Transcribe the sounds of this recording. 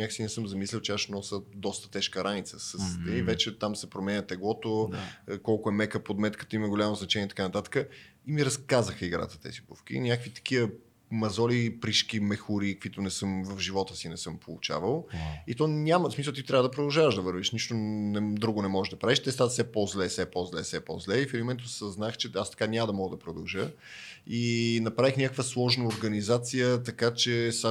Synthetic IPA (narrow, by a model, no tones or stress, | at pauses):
aksinɛsɤmzɐmislʲɛlˠt͡ʃɛaʃnɔsəd̪ɔst̪ə̥t̪ɛʃkəɾʔanit̪səsəst̪ɛivɛt͡ʃɛt̪amsɛpɾomɛnʲət̪ɛɡlˠɔt̪okɔlˠkoɛmɛkəpod̪mɛt̪kə̥t̪əiməɡolʲamoznɐt͡ʃɛniɛt̪ɐ̥kanɐt̪at̪ə̥kə | imiɾɐskazəxəiɡɾa̰t̪ə̥t̪ɛ̰zibufk̟ḭnʲakvit̪ɐ̥k̟iə | mɐzɔlipɾiʃk̟imɛxuɾikəkvit̪onɛsɤmvɐvʒivɔt̪əsinɛsɤmpolˠut͡ʃa̰vəlˠit̪ɔnʲaməsmisəlˠt̪it̪ɾʲavəd̪ɐpɾod̪ɐlˠʒavəʒd̪ɐvɤɾviʃniʃt̪onɛd̪ɾuɡʊnɛmɔɛʒd̪ɐpɾaviʃt̪ɛst̪at̪sɛpɔzlɛsɛpɔzlɛ̰sɛpɔ̰zlɛifɛɾmɛnt̪osəznaxt͡ʃɛast̪ɐ̥kanʲaməd̪ɐmɔɡəd̪ɐpɾod̪ɐlˠʒə | inɐpɾavixnʲakəkvəslˠɔʒnɐoɾɡɐnizat̪sijət̪ɐkat͡ʃɛsa